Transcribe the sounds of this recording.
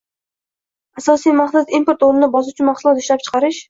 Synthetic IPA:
asɒsijmaχt̪at̪impoɾt̪oɾnɪnɪbɒzʊt͡ʃʰʊnmaχʊlˠɒt̪ɪʃlap̚t͡ʃʰɨ̥qʰɑɾɪʃ

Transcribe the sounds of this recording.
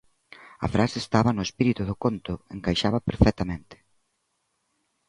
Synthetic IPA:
ɐ̰fɾasest̪aβɐnʊespiɾit̪uðʊkont̪ʊeŋkajʃaβɐpeɾfɛt̪amẽnt̪ɪ̥

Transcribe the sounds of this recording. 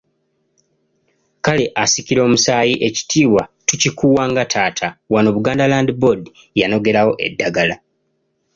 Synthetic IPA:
kale̞ʔasiciɾo̞ːmusaːjiʔe̞ci̥tʰiːwatucikuːwaːŋɡatʰaːtʰawano̞βuɡaːndalaːndibo̞di | jano̞ɡe̞ɾawo̞ʔe̞̰dːaɡala

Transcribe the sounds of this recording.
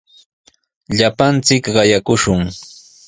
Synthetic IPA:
ʎapant͡sɪkɢɑjakʊʃʊŋ

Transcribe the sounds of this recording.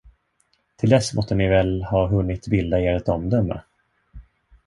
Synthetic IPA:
t̪ʰɪld̪ɛsmʔɔst̪ənɪvɛlhɑːɦɵnːɪt̪bɪld̪aeːɾɛt̪ɔmd̪œmːə̰

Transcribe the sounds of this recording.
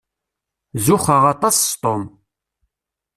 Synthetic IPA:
zʊxəʁɑt̪ˤɑsst̪ˤom

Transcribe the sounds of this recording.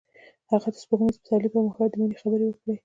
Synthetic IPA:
haɣad̪ə̥spoɣnespɪt̪ɑlipəɾməxad̪əminexabəɾewəkɽe

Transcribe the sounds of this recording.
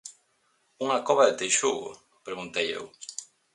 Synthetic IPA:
uŋakɔβaðet̪ejʃuɣo̰ | pɾeɣunt̪ejḛw

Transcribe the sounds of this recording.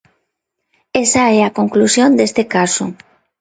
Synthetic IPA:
esaɛakoŋklusjond̪est̪ɪkasʊ

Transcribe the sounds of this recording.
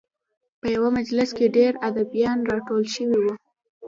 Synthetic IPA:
pəjawamad͡ʒlɪskeɖeɾad̪abjɑnɾɑkowəlʃəwiwu

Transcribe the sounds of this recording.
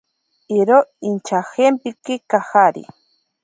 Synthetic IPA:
iɾoint͡ʃaxempikikaxaɾḭ

